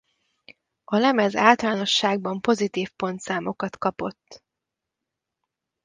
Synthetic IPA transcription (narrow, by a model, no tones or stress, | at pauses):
ɒlɛmɛzaːlt̪ɒlaːno̞ʃːaːɡ̚bɒmpo̞zit̪iːfpo̞nt̪saːmo̞kɒt̪kɒpo̞t̪ː